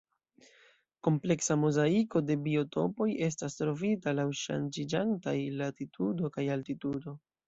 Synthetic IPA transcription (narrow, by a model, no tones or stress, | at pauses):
ko̞mple̞ksamozaiko̞de̞bio̞to̞̰po̞je̞s̬tastɾo̞vitalawʃa̰nd͡ʒid͡ʒantajlatitʰudo̞kajaltitudo̞